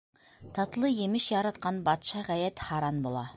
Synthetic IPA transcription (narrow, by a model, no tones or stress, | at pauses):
t̪ʰɑt̪lˠəjemɪʃjɑɾɑt̪̚qɑnbɑt̪ʃɑʁæjæt̪hɑɾɑnbolˠɑ̰